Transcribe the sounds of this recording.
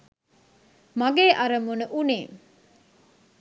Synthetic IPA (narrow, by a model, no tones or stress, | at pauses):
mɐɡeːʔɐɾɐmunuʔuniː